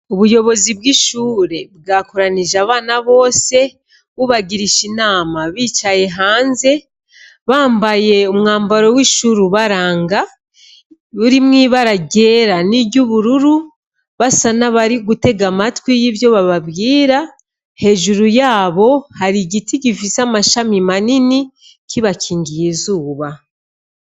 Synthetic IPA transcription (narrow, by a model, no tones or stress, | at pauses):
uβujo̞βo̞zibɡiːʃuːɾe̞βɡaːkoɾaniʒaβaːnaβo̞ːse̞ | βuβaɡiɾiʃinaːmaβiːt͡ʃaje̞ɦaːnze̞ | βaːmbaje̞umŋaːmbaɾo̞wiːʃuɾuβaɾaːŋɡa | βuɾimŋiːβaɾaɟe̞ːɾanibɟuβuɾuɾu | βasanaβaɾiɡute̞ɡamatwijivjo̞βaβabɡiːɾa | he̞ʒuɾujaːβo̞haɾiɟitiɟifisamaʃamimanini | kiβacʰiːŋɡijizuːβa